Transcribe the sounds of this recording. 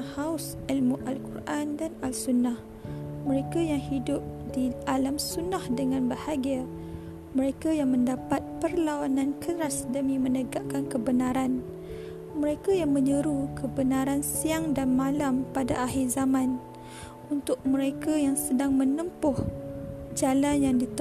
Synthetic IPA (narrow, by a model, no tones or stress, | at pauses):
haʊs | ilmuʔalkurʔandanalsunːah | məɾekajaŋhidʊp̚dialamsunahdəŋãnbahaɡia | mə̃ɾekajaŋmə̃ndapat̪̚pərlawanãnkəɾasdəmĩmə̃nəɡaʔkankəbənaɾan | mə̃ɾekajaŋmə̃ɲəɾukəbənaɾansiaŋdanmalampadaʔaɦirzamãn | unt̪ʊk̚mə̃ɾekajaŋsədaŋmə̃nəmpʊh | d͡ʒalanjaŋdit̪